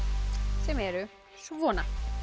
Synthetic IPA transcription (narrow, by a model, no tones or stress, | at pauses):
sɛmɛɾʏ | svɔːna